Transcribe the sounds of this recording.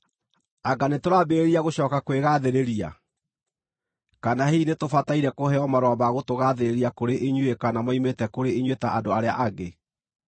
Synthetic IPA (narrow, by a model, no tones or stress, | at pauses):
aɡanetoɾabeeɾiaɣoɕɔːkakweɣaðeɾeɾia̰ | kanaheinetofataiɾɛkohɛɔmaɾɔːβaɣotoɣaðeɾeɾiakoɾeʔeɲwekanamɔimetɛkoɾeeɲwetaʔadoaɾea̰ʔaɣe